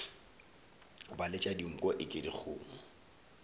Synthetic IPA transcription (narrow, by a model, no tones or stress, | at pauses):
balɪt͡ʃʼadiŋ̩kʼɔʔɪkʼɪdik͡xʰʊ̰ːŋ̩